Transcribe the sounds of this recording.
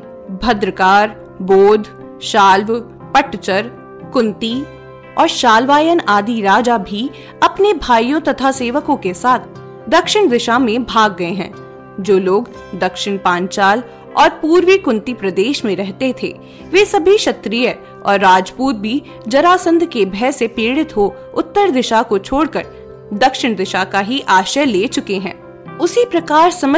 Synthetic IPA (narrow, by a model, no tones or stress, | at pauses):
bʱɐd̪ɾəkaːɾ | boːd̪ʱ | ʃaːlʋ | pɐʈt͡ʃəɾ | kʊ̃nt̪i | ɔːɾʃaːlʋaːjənaːd̪iɾaːd͡ʒabʱi | ɐpnebʱaːijõt̪ɐt̪ʰaseːʋəkõkesaːt̪ʰ | d̪ɐkʃɪɽ̃d̪ɪʃamẽbʱaːɡːɐeɦɛ̰̃ː | d͡ʒoːloːɡ | d̪ɐkʃɪɽpãːnt͡ʃaːl | ɔːɾpuːɾʋikʊ̃nt̪ipɾɐd̪eːʃmẽɾɛɦt̪et̪ʰḛ | ʋeːsɐbʱiʃɐt̪ɾiːjə | ɔ̰ːɾːaːd͡ʒpuːt̪̚bʱi | d͡ʒɐɾaːsə̃nd̪ʱkebʱɛsepeːɽɪt̪ɦo | ʊt̪ːəɾd̪ɪʃakot͡ʃʰoːɽkəɾ | d̪ɐkʃɪɽ̃d̪ɪʃakaɦiʔaːʃəleːt͡ʃʊkeɦɛ̰̃ː | ʊsipɾɐkaːɾsɐmə